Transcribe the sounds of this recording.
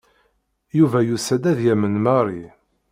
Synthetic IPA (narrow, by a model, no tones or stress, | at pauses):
juvæjusæd̪æðjæmənmɑɾˤi